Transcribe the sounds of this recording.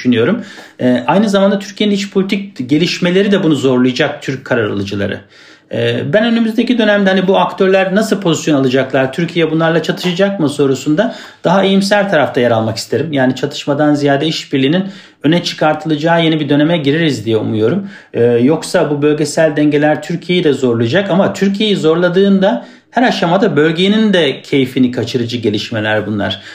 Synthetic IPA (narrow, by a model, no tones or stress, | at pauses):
ʃynyjo̞ɾumɛʔajnɯzamand̪at̪ʰyɾcʰijeinit͡ʃpʰo̞lʲit̪ʰic̚ɟe̞lʲiʃme̞lʲe̞ɾid̪ɛbunuzo̞ɾlˠɯjad͡ʒak̚t̪ʰyɾc̚kʰːaɾaɾa̰lˠɯd͡ʒɯlˠa̰ɾɯ̰ | ɛːbænø̞nymyzd̪ecid̪ø̞næmd̪ɛhanibuakt̪ʰø̞ɾlʲæɾnasɯlˠpʰo̞zisjo̞nalˠɯd͡ʒaklˠaɾt̪ʰyɾcʰijɛbunlˠaɾlˠat͡ʃʰat̪ʰɯ̥ʃad͡ʒak̚mɯso̞ɾusund̪a | d̪̥aɦaejimsælʲt̪ʰaɾaft̪ʰajaɾalˠmaki̥st̪ʰe̞ɾimjaːnit͡ʃʰat̪ʰɯ̥ʃmad̪anzijaːd̪ɛiʃbiɾlʲiːnin | ø̞nɛt͡ʃʰɯ̥kʰaɾt̪ʰɯlˠɯd͡ʒaːje̞nibid̪øne̞mɛɟiɾiɾizd̪ijɛṵmujo̞ɾum | ɯːjo̞ksabubø̞lʲɟesælʲd̪ɛɲɟelʲæɾt̪ʰyɾcʰije̞jid̪ɛzo̞ɾlˠɯd͡ʒakamat̪ʰyɾcʰije̞jizo̞ɾlˠad̪ɯːnd̪a | hæɾaʃamad̪abø̞lʲɟenind̪ɛcʰe̞jifinikʰat͡ʃʰɯɾɯd͡ʒɯɟe̞lʲiʃme̞lʲæɾbunlˠa̰ɾ̥